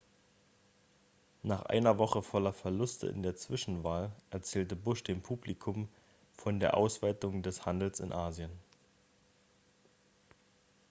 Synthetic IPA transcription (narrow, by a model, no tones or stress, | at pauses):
naːχʔa̰ɪnɐvɔχəfɔlɐfɛɐlʊstʰə̰ʔɪ̰ndeːɐt͡sv̥ɪʃn̩vaːlʔɛɐt͡sɛːltəbʊʃd̥eːmpʰuːplikʰʊm | fɔndeːɐʔa̰ʊsv̥aɪtʊŋdɛshandl̩sɪ̰nʔaːzjən